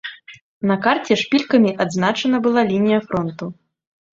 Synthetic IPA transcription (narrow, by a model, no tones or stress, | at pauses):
nɐkart͡sʲɛʂpʲilʲkɐmʲiʔad̪znat͡ʂɐnɐbɨlˠalʲinʲijɐfɾɔnt̪u